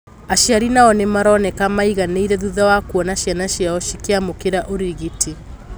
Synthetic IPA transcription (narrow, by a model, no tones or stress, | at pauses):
aʃiaɾinaɔnemaɾɔnɛkamaiɣaneiɾɛðuðawakuɔnaʃjanaʃjaɔʃikeamokeɾaʔoɾiɣitʰi